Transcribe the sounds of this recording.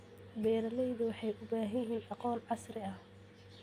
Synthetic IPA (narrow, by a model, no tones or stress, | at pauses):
bɛːɾɐlɛjðʊwɑħɑjʔʊbaːɦɐjɦɛːnʔɑqɔːnʕɑsɾɪɐh